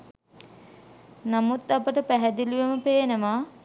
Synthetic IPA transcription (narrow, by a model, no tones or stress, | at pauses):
namut̪apəʈəpæɦɛd̪iluʋeməpeːnəmaː